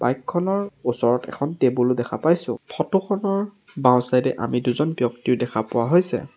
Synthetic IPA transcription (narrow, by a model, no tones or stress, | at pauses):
b̥ajkʰːɔnɔɹusɔɹɔtɛ̰kʰɔntebulʊdɛxʰapajsʊ̰̃pʰɔtʊxʰɔnɔɹ | bãw̃sajdɛʔa̰miduzɔnbjɔktiɹdɛkʰapʊwaɦojsɛ̰